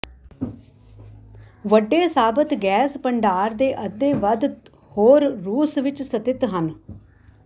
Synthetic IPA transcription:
ʋəɖːeːsaːbət̪ɡɛːspəɳɖaːɾd̪eːʔəd̪eːʋəd̪ | hoːɾɾuːsʋɪt͡ʃsət̪ɪt̪ɦən

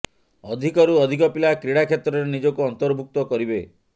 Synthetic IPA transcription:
ɔd̪ʱikɔɾuɔd̪ʱikɔpilakɾiɽakʰet̪ɾɔɾenid͡ʒɔkuɔnt̪ɔɾbʱuk̚t̪ɔkɔɾibe

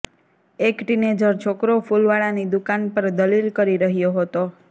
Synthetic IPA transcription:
ekʈined͡ʒəɾt͡ʃʰokɾofulʋaɭanid̪ukanpəɾd̪əlilkəɾiɾəɦjoɦət̪o

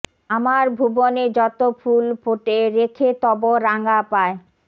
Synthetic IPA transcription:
amaɾbʱuboned͡ʑɔt̪ofʰulpoʈeɾekʰet̪ɔboɾaŋɡapae

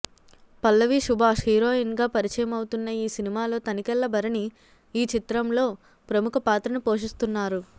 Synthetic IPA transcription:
pɐlːɐʋiʂubʱaːʂhiːɾo̞ːinɡaːpɐɾit͡ʃɐjɐmɐwut̪unːɐiːsinimaːlo̞ːt̪ɐnikɛlːɐbɐɾɐniː | t͡ʃit̪ɾɐmlo̞ː | pɾɐmukʰɐpaːt̪ɾɐnupo̞ːʂ̬ist̪unːaːɾu

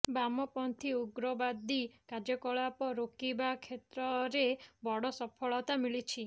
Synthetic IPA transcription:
bamɔpɔnt̪ʰiuɡɾɔbad̪ikad͡ʒɔkɔɭapɔɾokibakʰet̪ɾɔɾebɔɽɔsɔpʰɔɭɔt̪amiɭit͡ʃʰi

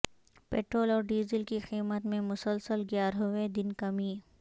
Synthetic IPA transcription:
peːʈɾoːlɔːɾɖiːzɪlkixiːmət̪mẽmʊsəlsəlɡjaːɾɦoʋed̪ɪnkɐmiː

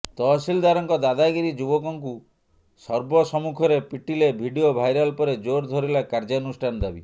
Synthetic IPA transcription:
t̪ɔsild̪aɾɔŋkɔd̪ad̪aɡiɾid͡ʒubɔkɔŋk̬u | sɔɾbɔsɔmukʰɔɾepiʈilebʱiɖiobʱajɾalpɔɾed͡ʒoɾd̪ʱɔɾilakaɾd͡ʒanusʈʰand̪abḭ

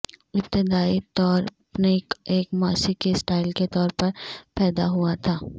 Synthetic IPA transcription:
ɪp̚t̪ɪd̪aːit̪ɔːɾ | pnekeːkmaːsikisʈaːɪlket̪ɔːɾpɐɾpɛːd̪aɦʊat̪ʰaː

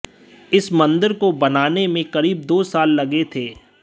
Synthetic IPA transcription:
ɪsmɐ̃nd̪əɾkobɐnaːnemẽkɐɾiːbd̪oːsaːlːɐɡet̪ʰeː

